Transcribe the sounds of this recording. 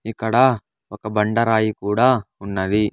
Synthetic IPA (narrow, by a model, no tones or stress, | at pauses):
ikːɐɽɐ | ɔkɐbɐɳɖɐɾaːjikuːɽaːunːɐd̪i